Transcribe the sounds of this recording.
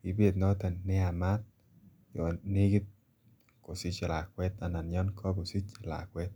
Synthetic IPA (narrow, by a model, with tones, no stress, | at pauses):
pi˨be˨t̪nɔ˦t̪ɛ˨nɪ˦a˨ma˦t̪̚ | jɔ˨ne˦ɡi˦t̪̚ | ko˨si˦t͡ʃe˨la˨kwɛ˦t̪a˨na˨njɔ˦nkʰɔ˦ɡo˨si˦t͡ʃa˨la̰˨kwɛ˦t̪̚